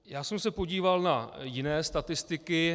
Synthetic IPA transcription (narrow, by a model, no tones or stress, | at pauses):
jaːsɛmsɛpo̞ɟiːvalnajɪnɛːst̪at̪ɪst̪ɪkɪ